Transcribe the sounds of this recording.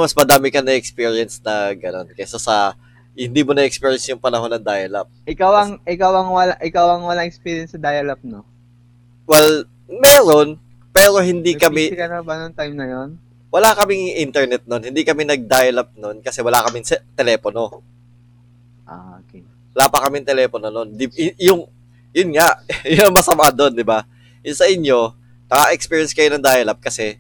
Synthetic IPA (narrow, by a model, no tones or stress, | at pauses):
mɐsmɐd̪aːmɪkɐnɐʔɛk̚spiːɹiɐnsnɐɡɐno̞nkɛsɐsɐ | hɪnd̪iːmonɐʔɛk̚spiːɹjɛnsjʊŋpɐnɐɦo̞nːɐŋd̪aːjɐlɐp̚ʔɪkawɐŋʔɪkawɐŋwɐlaʔɪkawɐŋwɐlaŋɛkspiːɾjɐnsɐd̪ajɐlɐp̚no | wɛl | mɛːɾo̞n | pɛːɾo̞hɪnd̪iːkɐmɪkɐnɐbɐnoŋt̪ajmnɐjon | wɐlakɐmɪŋʔint̪ɛɹnɛt̪̚nonhɪnd̪ikɐmɪnɐɡ̚d̪aːjɐlɐp̚no̞nkɐsɛwɐlakɐmɪŋsɛt̪ɛlɛːpono̞ | ʔokɛ | wɐlaːpɐkɐmɪŋt̪ɛlɛːpono̞no̞nd̪ɪjʊŋ | jʊnŋaʔjʊnɐŋmɐsɐmʔad̪o̞nd̪ɪba | jʊŋsɐʔɪɲjo̞ | nɐkaʔɛkspiːɹjɛnskɐjʊnɐŋd̪aːjɐlɐp̚kɐsɛ